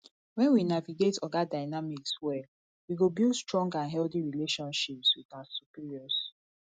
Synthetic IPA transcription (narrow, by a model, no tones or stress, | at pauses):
wɛ̃nwinaviɡetɔɡadaɪnamikswɛ | wiɡobilstɹɔ̃ŋɡãnɦɛlθiɹileʃɔ̃nʃipswiðasupiɹiɔs